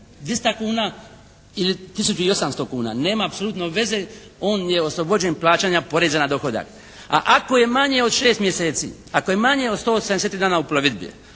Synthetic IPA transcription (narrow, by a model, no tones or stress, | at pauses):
d̪ʋjest̪akuːna | ilit̪isut͡ʃuio̞samst̪o̞kuːna̰ːne̞ːmaːpsolut̪no̞ʋe̞ze̞ | o̞ːnje̞oslˠo̞bo̞d͡ʑe̞nplˠaːt͡ɕaːɲapo̞ɾezanad̪o̞xo̞d̪a̰k | a̰ʔako̞je̞maɲe̞o̞d̪ʃe̞ːst̪mje̞se̞ːt̪sḭ | ako̞je̞maɲe̞od̪st̪o̞ːsaneset̪ɾid̪aːnaupoloʋid̪bḭjḛ